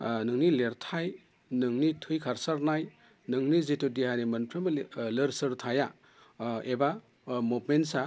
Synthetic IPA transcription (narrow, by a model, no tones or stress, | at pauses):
nɯŋnileɾtʰaj | nɯŋnitʰɯjkʰaɾsaɾnaj | nɯŋnizetudiɦanimɐnpʰɾemleɾsɯɾtʰaja | eba | mupmensa